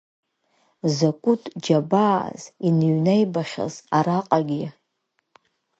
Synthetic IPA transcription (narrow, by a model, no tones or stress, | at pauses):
zakʷʼʊtʰʼd͡ʒabaːz̥inɥnejbaχʲa̰zaɾaqʼaɡʲi